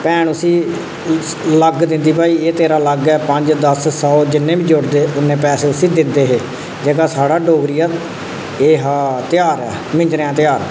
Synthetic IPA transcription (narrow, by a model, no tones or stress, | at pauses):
pɛːɳʊsĩː | ləɡd̪ɪ̃nd̪iːbaːiːeːt̪eːɾaːləɡɛːpəɲd͡ʒd̪əssɔːd͡ʒɪnːẽːbĩːd͡ʒʊɽd̪eːʊnːẽːpɛːseːʊsĩːd̪ɪnd̪eːɦeː | d͡ʒeːɡaːsaːɽaːɖoːɡɾiːaː | eːɦaːt̪ɪjaːɾɛ̰ːmɪ̃ɲd͡ʒɾeːãːt̪ɪjaːɾ